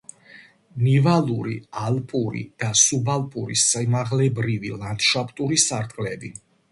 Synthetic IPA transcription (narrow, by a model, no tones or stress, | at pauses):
nivalˠuɾḭalpʼuɾḭd̪̥asubalpʼuɾḭsamaʁlɛbɾivḭlˠant̪ʃapʼt̪ʼuɾisaɾt̪ʼqʼlɛbi